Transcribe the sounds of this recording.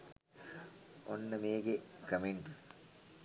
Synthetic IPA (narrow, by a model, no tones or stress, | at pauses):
onːɐmeːɡekɐmeɳʈs